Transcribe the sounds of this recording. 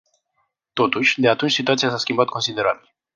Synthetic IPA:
t̪o̞t̪uʃʲd̪e̞at̪unt͡ʃʲsit̪uat̪siasaskʲimbat̪̚konsid̪e̞ɾabil

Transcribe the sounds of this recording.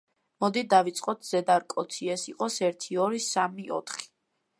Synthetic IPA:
mɔd̪id̪avit̪sʼqʼɔt̪ʰz̥ɛd̪aɾkʼɔt̪sʰiɛsiqʼɔsɛɾt̪ʰiɔɾisamiʔɔ̰t̪ʰχi̥

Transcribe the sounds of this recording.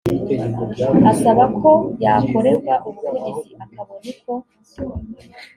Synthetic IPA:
asaβakʰo̞ja̰ko̞ɾe̞bɡaʔuβɡeniɾiʔakʰaβonikʰo̞

